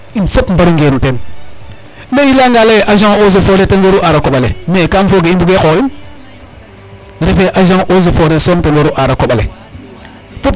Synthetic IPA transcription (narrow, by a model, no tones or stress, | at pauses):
insapm̩baɾiŋɡeɾutem | meilaŋɡaleʔaʒaŋozefoɾeteŋɡoɾuʔaɾakoɓalḛmekamfoɡeimbuɡekokim | ɾefeʔaʒaŋʔoz̬efoɾesomtenwoɾuʔaɾakoɓalḛ | pu